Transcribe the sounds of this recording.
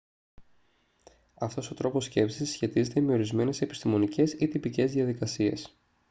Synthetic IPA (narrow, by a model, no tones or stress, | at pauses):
ɐft̪o̞so̞t̪ɾo̞po̞sce̞psisːçe̞t̪ize̞t̪eme̞o̞ɾizme̞ne̞se̞pist̪imo̞nice̞sit̪ipice̞zðiɐðikɐsie̞̰s